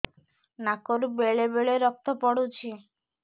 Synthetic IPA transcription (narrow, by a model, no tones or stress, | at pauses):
nakoɾubeɭebeɭeɾɔk̚t̪ʰɔpɔɽut͡ʃʰi